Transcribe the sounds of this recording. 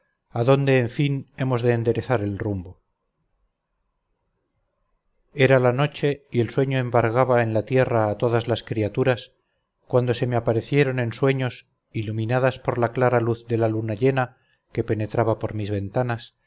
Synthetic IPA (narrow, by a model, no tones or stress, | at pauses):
aðo̞nd̪e̞ːɱfine̞mo̞zðe̞ːnd̪e̞ɾe̞θaɾe̞lrumbo̞ | e̞ɾalano̞t͡ʃe̞ie̞lswe̞ɲoe̞mbaɾɣaβae̞nlat̪je̞raːt̪o̞ðazlaskɾiat̪uɾas | kwand̪o̞se̞meapaɾe̞θje̞ɾo̞nẽ̞nswe̞ɲo̞s | ilumĩnaðaspo̞ɾlaklaɾaluθðe̞lalunaʎe̞na | ke̞pe̞ne̞t̪ɾaβapo̞ɾmizβe̞nt̪anas